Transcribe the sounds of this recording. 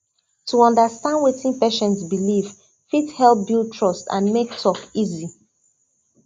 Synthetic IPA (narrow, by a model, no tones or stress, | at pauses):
tuɔ̃ndəstãndwetĩnpeʃɛ̃ntsbiliv̥ | fithɛlˠp̚biltʰɹɔstã̰nmektʰɔkizi